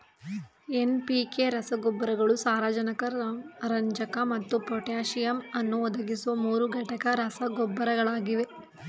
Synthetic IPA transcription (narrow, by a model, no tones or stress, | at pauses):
enpikeɾɐsɐɡɔbːɐɾɐɡɐɭusaːɾaːd͡ʒɐnɐkɐɾɐɲd͡ʒɐkɐmɐt̪ːupɾoʈjaːʃijɐmɐnːuɔd̪ɐɡisuʋɐmuːɾuɡɐʈɐkɐɾɐsɐɡɔbːɐɾɐɡɐɭaːɡiʋe̞